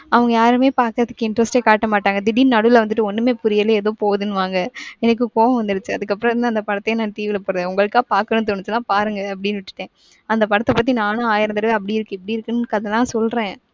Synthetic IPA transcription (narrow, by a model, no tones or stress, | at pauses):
ɐʋɐŋɡɐjaːɾɯmeːpaːɾkɯɾɐðɯkːɯɪɳʈɾɐsʈeːkaːʈːɐmaːʈːaːŋɡɐd̪ɪɽinnɐɽɯɪlʋɐnd̪ɯʈːɯɔnːɯmeːpʊɾɪjɐleɛðoːpoːʋɐðɯnːɯʋaːŋɡɐɛnɐk̬ːɯkoːʋɐ̃ʋɐnd̪ɯɾɯt͡ʃːɯɐðɯkːɐpːɾɐ̃ɐnd̪aɐnd̪ɐpɐɽɐt̪ːɐjẽnãːʈiːʋɪlɐpoːɾɐðeʊŋɡɐɭɯkːaːpaːɾkɐnɯ̃nt̪̬oɳːɯt͡ʃːɯnãːpaːɾɯŋɡɐɐpːɐɽɪnːʋɪʈːɯ̥ʈːẽː | ɐnd̪ɐpɐɽɐt̪ːɐpɐt̪ːinaːnɐaːjɪɾɐnd̪ɐɾɐɐpːɐɽiɪɾɯkːɯɛpːɐɽiɪɾɯkːɯnkːɐðɛlːãːsɔlɾẽː